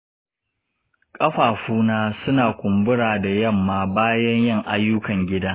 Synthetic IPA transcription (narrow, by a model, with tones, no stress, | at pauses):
kʼɐ˦ɸaː˨ɸuː˦naː˦sʊ˦naː˨kʷʊ˨mbʊ˦ɽaː˨da˨jɐ˦˨mːaː˨baː˦jɐ˦ɲjɐ˦˨ŋʔa˦jːʊ˦kɐ˨ŋɡʲɪ˦daː˦